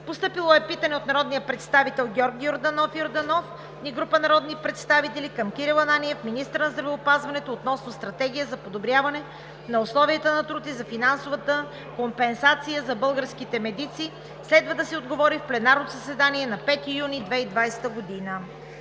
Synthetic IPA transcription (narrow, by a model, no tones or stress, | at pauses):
post̪ɤpilˠoɛpit̪ɐnɛot̪nɐɾɔd̪nijəpɾɛt̪st̪avit̪ɛlˠɡʲɔɾɡjoɾd̪ɐnɔfjoɾd̪ɐnɔf | niɡɾupənɐɾɔd̪nipɾɛt̪st̪avit̪ɛlikɐmkiɾilˠɐnanʲiɛfminist̪əɾnɐzd̪ɾɐvɛʊpazvɐnɛt̪oːt̪nɔsnost̪ɾɐt̪ɛɡ̟ijəzɐpod̪obɾʲjavɐnɛ | nɐoslˠɔviət̪ənɐt̪ɾut̪izɐfinansovət̪ə | kompɛnsat̪sijəzɐbɤlˠɡəɾskit̪ɛmɛd̪it̪siː | slɛd̪vɐd̪ɐsɛod̪ɡovɔɾifplɛnaɾnot̪osɐsɛd̪aniɛnɐpɛt̪ijunid̪vɛid̪vajsɛ̥t̪əɡod̪inə